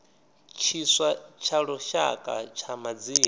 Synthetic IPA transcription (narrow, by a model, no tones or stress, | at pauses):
t͡ʃʰiswat͡ʃʰaɺɔʃakʼa̰t͡ʃʰamad͡ziː